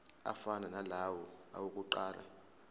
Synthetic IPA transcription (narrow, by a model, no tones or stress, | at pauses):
a̰fananalawɔa̰wukʼuǃaːla̰